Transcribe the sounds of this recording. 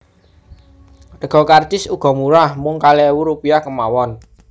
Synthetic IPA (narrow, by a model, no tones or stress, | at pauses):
t̪əɡ̥ɔ̤kart͡ʃɪsuɡ̥ɔ̤muɾahmʊŋkalɛwuɾupiakəmawɔn